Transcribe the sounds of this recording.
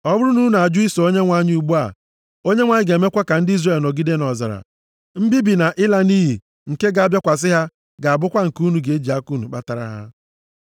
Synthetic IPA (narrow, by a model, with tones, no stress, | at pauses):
ɔ˦bʊ˦ɾʊ˦nu˦na˨a˨d͡ʒu˦i˦so˨o˦ɲe˦ŋʷa˦ɲ˦u˨ɡ͡bu˦a̰˨ | o˦ɲe˦ŋʷa˨˦ɲɪ˦ɡe˨me˦kʷa˦ka˨n̩˦di˦zre˨lno˨ɡi˦de˦nɔ˨za̰˨ɾa̰˨ | m̩˦bi˦bi˨na˨ʔɪ˦la˦ni˦ɦi˨ | ŋ̩˨ke˦ɡa˨a˨bja˦kʷa˨s̬ɪ˦ɦa˦ | ɡa˨a˨bʊ˦kʷa˦ŋ̩˨ku˦nu˨ɡe˨e˦d͡ʒi˨a˦ku˦nu˨k͡pa˦ta˨ɾa̰˦ɦa̰˦